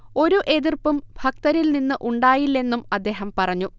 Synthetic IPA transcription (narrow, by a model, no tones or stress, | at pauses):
o̞ɾuʔe̞ðirpumbʱɐk̚t̪ɐɾilninːɨʔuɳɖaːjilːe̞nːumɐd̪ːe̞ːɦɐmpɐrɐɲːu